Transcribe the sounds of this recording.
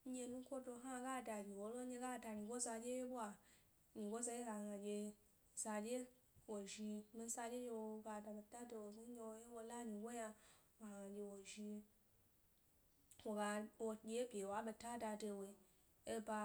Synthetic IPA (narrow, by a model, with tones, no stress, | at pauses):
ɲe˧nũ˦kʷo˦do˧ɦa˦ɡa˦˨da˨ɡi˨wo˨˦lo˦ɲe˧ɡa˦˨da˧ɲĩ˨ɡʷo˦za˧d͡ʒe˦je˦bu˦a˨ | ɲĩ˨ɡo˦za˧je˦ɡa˨ŋa˨d͡ʒʲe˧ | za˧d͡ʒe˦ | wo˨ʒi˧mi˧n̩˦sa˧d͡ʒʲe˦d͡ʒe˧wo˧ɡa˧da˧be˧ta˦do˧wo˨zu˦ɲe˧wo˦je˦wo˧la˦mĩ˨ɡʷo˦ja˧wa˨ŋã˨d͡ʒʲe˧wo˨ʒi˧ | wo˨ɡa˧wo˧d͡ʒʲe˧˦e˦bʲe˨wa˨˦ɓe˧ta˦da˧do˧wo˨i˧ | e˦ba˧